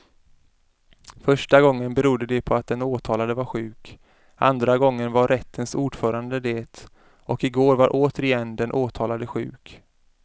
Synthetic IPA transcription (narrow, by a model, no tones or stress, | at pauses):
fœʂʈaɡɔŋːənbɛɾuːd̪əd̪ɛpʰɔat̪̚d̪ɛnoːt̪ʰɑːlad̪əvaɾɧʉ̟ːk | ʔa̰nd̪ɾaɡɔŋːənvaɾɛt̪ʰːənsuːɖ̥fœːɾand̪əd̪eːt̪ | ʔɔkɪɡoːɾvaɾʔoːt̪əɾɪjɛnd̪ɛnʔoːt̪ʰɑːlad̪əɧʉ̟̰ːk